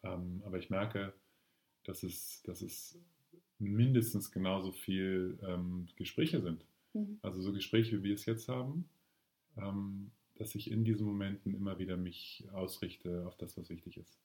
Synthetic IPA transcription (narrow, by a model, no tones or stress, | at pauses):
ʔɛːmʔaːbɐɪçmɛɐkə | d̥asɛsd̥asɛs | mɪndəstn̩sɡ̥ənaʊzoːfiːlʔɛːmɡ̥əʃpʁ̥ɛːçəzɪnt | ʔalzozoːɡəʃpʁ̥ɛːçəviːviːɐɛsjɛt͡sthaːbm̩ | ʔɛm | d̥asɪçɪndiːzn̩momɛntn̩ʔɪmɐviːdɐmɪçʔaʊsʁɪçtʰəaʊfd̥asv̥asv̥ɪçtɪçɪst